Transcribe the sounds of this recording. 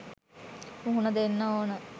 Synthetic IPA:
uɦunəd̪enːɐoːnə

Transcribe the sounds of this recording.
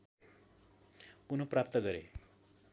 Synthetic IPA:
kunoprapt̪ʌɡʌɾḛ

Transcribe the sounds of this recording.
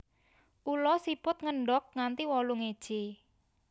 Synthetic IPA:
ʔulɔsipʊt̪̚ŋəɳɖɔk̚ŋant̪iwɔluŋed̥ʒ̥e

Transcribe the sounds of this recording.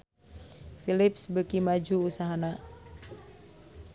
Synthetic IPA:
filip̚sbəkimad͡ʒuːsaɦana

